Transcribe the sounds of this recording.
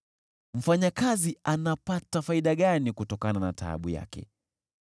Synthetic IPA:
m̩faɲakazianapatafaiɗaɠanikutɔkananata̰ɓuja̰kɛ̰

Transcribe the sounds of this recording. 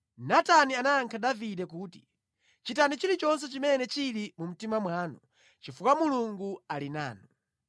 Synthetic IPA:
natanianaːŋkʰadavidɛk̬uːti̥ | t͡ʃitanit͡ʃilit͡ʃɔns̬ɛt͡ʃimɛnɛt͡ʃilimum̩timamwaːnɔ | t͡ʃifukamuluŋɡualina̰ːnɔ

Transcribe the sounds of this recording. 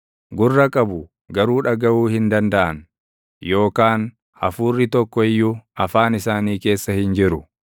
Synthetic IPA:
ɡʊrːɐkʼɐbʊ | ɡɐɾuːᶑɐɡɐʔuːhɪnd̪ɐnd̪ɐʔɐn | jo̞ːkaːn | hɐ̰fuːrːɪt̪ɔkːɔɪjːʊɐfaːnɪsaːniːke̞ːsːɐhɪnd͡ʒɪɾʊ

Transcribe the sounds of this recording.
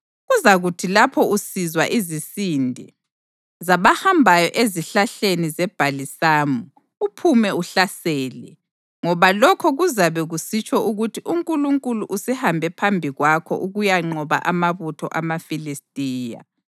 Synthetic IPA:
ɣuzaɣutʰilapʰɔusizwa̰ʔizisiːndʱi | zaβahambʱajɔʔeziɬaɬenizɛb̥ʱalisaːmu | upʰumɛuɬasɛːlɛ | ŋɔβalɔkʰɔɣuzaβɛɣusit͡ʃʰʼɔʔuɣutʰiʔuŋkʼuluŋkʼuluʔusɛhambʱɛpʰambʱiɣwakʰɔ̰ʔuɣujaŋ͡ǃɔβa̰ʔamaβutʰɔ̰ʔamafilistʼiːja̰

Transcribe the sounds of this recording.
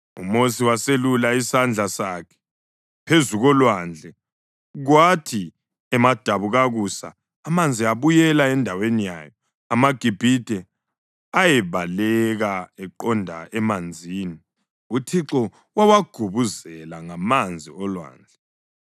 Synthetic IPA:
umosiwaselulaisand͡ɮʱasakʰɛ̥ | pʰezuɣɔlwand͡ɮʱɛ | ɣwatʰi | ɛmad̥ʱaβuɣaɣusa̰ː | mand͡zʱiaβujɛlaɛndʱawenija̰ːjɔ | amaɡ̥ʱib̥ʱid̥ʱɛ | ajɛβalɛɣaɛǃɔndʱa̰ʔɛmand͡zʱiːni | utʰiǁɔ | wawaɡ̥ʱuβuzɛlaŋamand͡zʱiɔlwa̰ːnd͡ɮʱɛ

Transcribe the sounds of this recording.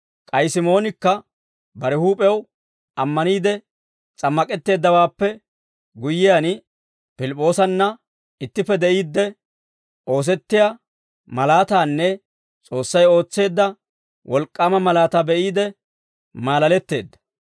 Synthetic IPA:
kʼɐjsɪmo̞ːnɪkːɐ | bɐɾɛhuːpʼɛw | ɐmːɐniːd̪ɛ | t͡sʼɐmːɐkʼɛt̪ːe̞ːd̪ːɐwaːpːɛ | ɡʊjːɪjan | pɪlɪpʼːo̞ːsɐnːɐ | ɪt̪ːɪpːɛd̪ɛʔiːd̪ːɛ | ʔo̞ːs̬ɛt̪ːɪja | mɐlaːt̪aːnːɛ | t͡sʼo̞ːsːɐjo̞ːt͡sːe̞ːd̪ːɐ | wʔɔlkʼːaːmɐmɐlaːt̪aːbɛʔiːd̪ɛ | maːlɐlɛt̪ːe̞̰ːd̪ːɐ̥

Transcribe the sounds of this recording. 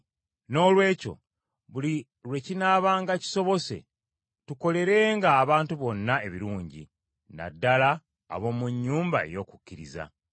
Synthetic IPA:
no̞ːlwe̞ːco̞̰ | βuli | ɾwe̞cinaːβaːŋɡaci̥so̞βo̞se̞̰ | tuko̞le̞ɾe̞ːŋɡaːβaːntuβo̞nːae̞βiɾuːɲɟḭ | na̰dːala̰ː | βo̞ːmuɲːuːmbaḛjo̞ːku̥cːiɾiza̰

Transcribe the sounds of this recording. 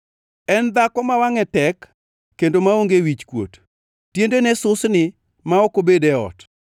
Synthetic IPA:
ɛnd̪akɔmawaŋɛtɛkː | endomaoŋɡewit͡ʃkwo̰t | tːjendenɛsʊsnɪ | maokobedɛɔ̰t

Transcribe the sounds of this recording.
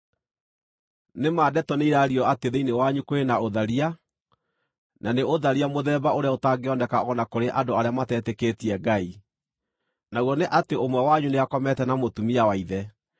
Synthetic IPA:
nemaːdɛtɔneiɾaɾiɔateðeinewaɲukoenaoðaɾia | naneoðaɾiamoðɛːbaoɾeaotaːŋɡeɔndɛkaɔnakoɾeʔadoaɾeamatɛːtɛketiɛɡai | naɣɔneʔateomwɛwaɲuneakɔmɛtɛnamotumiawaiðɛ

